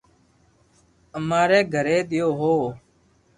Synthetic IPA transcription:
əmaːɾeːɡʱəɾeːɗ̪ɪjoːɦoː

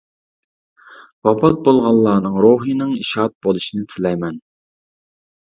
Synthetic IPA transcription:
wɑpɑt̪̚bolˠʁɑlˠːɑːnɨŋɾoɦinɨŋiʃɑt̪̚bolˠuʃinɪt̪ʰylɛjmɛn

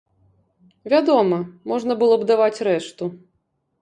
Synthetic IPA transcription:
vʲad̪ɔmɐmɔʐnɐbɨlˠɔbd̪avat͡sʲɾɛʂt̪u

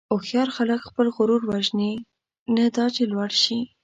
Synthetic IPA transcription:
oxjɑɾxaləkxpəlɣʊɾuɾwaʒne | nad̪ɑt͡ʃelwaɽʃi

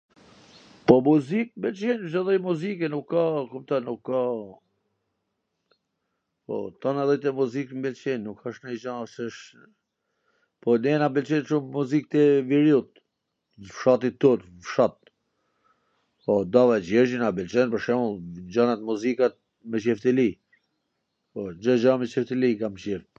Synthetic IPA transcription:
pɔmuzik̚mbɛlt͡ʃinzɛðɔjmuzikɛnukːakumt̪aɾnukːa | pɔ̰t̪ɔnaɛðɛjt̪̬ɛmuzikmbɛlt͡ʃinːukʰːaʃnɛd͡ʒanʃɛʃ | pɔnɛnabɛlt͡ʃɛnʃumːuzik̚t̪ɛviɾjut̪̚ | fʃat̪it̪ːut̪ | fʃat̪̚ | pɔd̪avat͡ʃɛɾd͡ʒinabɛlt͡ʃɛnpəɾʃɛmuld͡ʒanat̪muzikat̪̚ | mɛt͡ʃɛft̪əli | pɔd͡ʒəd͡ʒamɛt͡ʃɛft̪əlikamt͡ʃɛft̪

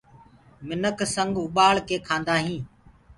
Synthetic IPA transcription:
mɪnəkʰsə̃ŋɡʊɓaːɭkeːkʰãːnd̪aːɦĩː

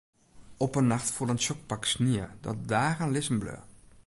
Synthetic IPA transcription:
ɔpənːaxtfuədənsɔk̚paksniədɔ̰t̚daːɣaːnlɪsənblø̰ː

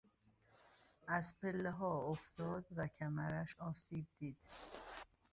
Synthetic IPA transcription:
ʔæzpʰelːeɦɒːoft̪ʰɒːd̪væcʰæmæɾæʃɒːsiːb̚d̪iːd̪̥

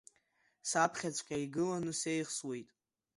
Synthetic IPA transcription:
sapʰχʲat͡sʷʰʼqʲʼaiɡɨlanuse̞jχswe̞jtʼ

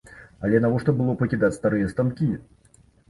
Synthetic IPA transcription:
ɐlʲɛnɐvɔʂt̪ɔbɨlˠɔpɐkʲɪd̪at͡sʲst̪aɾɨjɐst̪ɐmkʲi

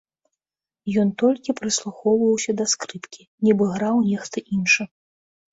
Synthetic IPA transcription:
jɔnt̪ɔlʲkʲipɾɨslˠuxɔwvɐwsʲɐd̪ɐskɾɨpkʲi̥ | nʲɛbɨɣɾawnʲɛxt̪ɐʔinʂɨ

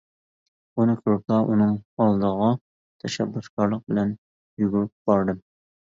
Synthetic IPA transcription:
unɨkʲʰoɾkɑʔunɨŋɑlˠd̪əʁɑ | t̪ʰɛʃɛbːuskʰɑɾlˠəq̚bɪlɛn | juɡʲyɾp̚b̥ɑɾd̪ɨm

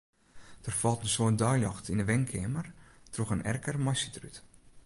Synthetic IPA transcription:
d̥ərfɔlˠtənsoːt̚dɔjlɔxtindəʋɛŋkʰɪmərtroxənɛ̰rkərmɔsətryt

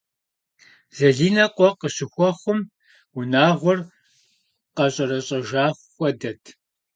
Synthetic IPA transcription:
zɐɮiːnɐqʷʼɔqəɕɪxʷɔχʷʊm | ʊnaːʁʷɔr | qɐɕʼɐɾɐɕʼɐʒaːxʷxʷɔdɐtʰ

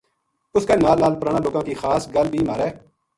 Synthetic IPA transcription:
ʊskaːnaːlːaːlpəɾaːɽ̃aːloːɡãːkiːxaːsɡəlbʱiːmaːɾɛː

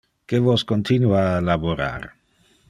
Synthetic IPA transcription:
kevoskont̪ʰinualaboɾa̰r

